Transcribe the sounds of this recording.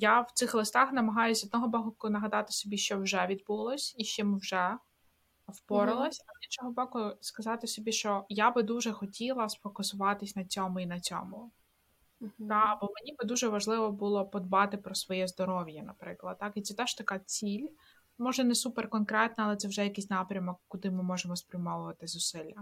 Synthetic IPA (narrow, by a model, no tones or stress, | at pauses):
jawt̪ɪxlˠɪst̪ɑxnɐmɐɦɑjʊsʲɔd̪nɔɦɔbɔɦʊkʊnɐɦɐd̪ɑt̪ɪ̥sʲɔbʲiʃt͡ʃɔwʒɛʋʲid̪̚bulˠɔsʲiʃt͡ʃɪmwʒɛ | ɔwpɔɾɪlˠɐsʲɐzʲint͡ʃɔɦɔbɔkʊskɐzɑt̪ɪsʲɔbʲiʃt͡ʃɔjabɪd̪uʒɛxɔtʲʰilˠɐsfɔkʊsʊʋɑt̪ɪsʲnɐt͡sʲɔmʊinɐt͡sʲɔ̰mʊ | t̪ɑbɔmenʲibɪd̪uʒɛʋɐʒlˠɪʋɔbulˠɔpɔd̪bɑt̪ɪpɾɔsʋɔjɛzd̪ɔɾɔʋʲjɐnɐpɾɪklˠɐd̪̚t̪ɑkit̪sɛt̪ɛʃt̪ɐkɑt͡sʲilʲ | mɔʒɛnɛsupɛrkɔnkɾɛt̪nɐɐlˠɛt̪ɛwʒɛjɐkɪsʲnɑpɾʲɐmɔkːʊd̪ɪmɪmɔʒɛmɔspɾʲɐmɔʋʊʋɐt̪ɪzʊsɪlʲːɐ